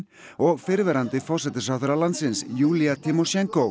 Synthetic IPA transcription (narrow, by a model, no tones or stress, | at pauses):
oːɣfɪɾvɛɾant̪əfɔʂɛt̪əsafɾalansɪnsjuːlɪat̪ʰɪmʊʃɛŋko